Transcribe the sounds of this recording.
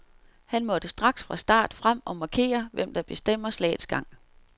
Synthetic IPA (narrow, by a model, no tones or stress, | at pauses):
hænmɒ̽d̥əsd̥ʁɑ̈ɡ̥sfʁɑ̈sd̥ɑ̰̈ːd̥fʁam̰ɒ̽mɑ̈kʰe̝̰ːɐʋem̰d̥ɑ̈b̥e̝sd̥em̰ɐslɛ̰ːd̥sɡ̥ɑ̈ŋ̰